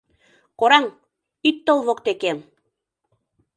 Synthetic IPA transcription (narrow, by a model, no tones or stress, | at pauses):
koɾɑŋ | it̪ːolˠβokt̪ekem